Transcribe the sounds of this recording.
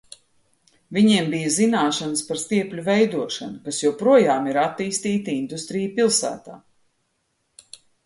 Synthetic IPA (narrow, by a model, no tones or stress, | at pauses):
viɲiɛmbijɐzinaːʃanəspaɾst̪iɛplʲuvɛjd̪uɔʃanukasjupɾuɔjaːmiɾat̪ːiːst̪iːt̪ind̪ust̪ɾijpilˠsæ̰ːt̪a̰ː